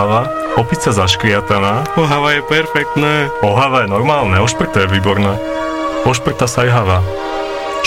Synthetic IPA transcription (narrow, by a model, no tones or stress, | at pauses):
aʋa | ɔpit͡sazaʃkɾɪat̪anaːɔɦaʋajɛpɛɾfɛk̚t̪nɛːɔɦaʋajɛnɔɾmaːlnɛɔʃpr̩t̪ajɛʋiːbɔɾnaː | ɔʃpr̩t̪asajɦaʋa